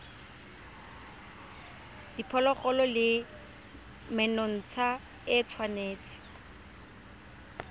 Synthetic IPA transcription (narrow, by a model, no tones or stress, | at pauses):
d̥ipʰɔlɔχɔlɔlɪ | mɛnɔn̩t͡sʰa | ɪt͡sʰwaneːt͡sʰɪ̥